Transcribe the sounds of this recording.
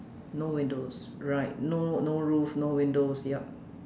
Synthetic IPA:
nowĩndosɹaɪt̚nonoɹufnowĩndosjɛp̚

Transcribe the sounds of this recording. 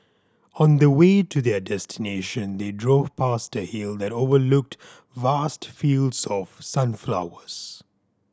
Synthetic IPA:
ə̃nðəweɪtʰɨðədɛstʰɪneɪʃə̃nðedɹoːv̥pʰastəhilˠðætoːvəlʊk̚t | vastfildzɔv̥sʌ̃nfla̰ʊəz̥

